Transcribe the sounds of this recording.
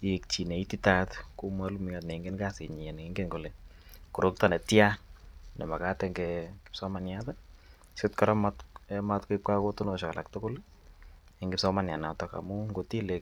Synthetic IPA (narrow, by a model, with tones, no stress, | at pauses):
ek̚t͡ʃi˨ne˨i˦ti˦tatku˦ma˦lu˦m˦a˨tnɛ˨ŋɡe˦nɡa˦sɪ˨ɲ˨ɛ˨ne˦ŋɡe˦ŋɡo˨le˨ | ku˨ɾo˦k̚ta˨nɛ˨tja˦nɛ˨ma˨ka˦tɛ˨ŋɡɛɡɪ̥˦psɔ˦ma˨njata˦ | sɪ˦tkɔɾɔ˦matmatkʊ˦ip̚ka˦ko˦tʊ˦no˨ʃɔ˨ka̰˨lʔa̰˨ktʊ˦kʊ˦l | e˨ŋɡɪpsɔ˦ma˨nja˨na˨tɔ˨ka̰˨muŋɡo˨ti˦le˨k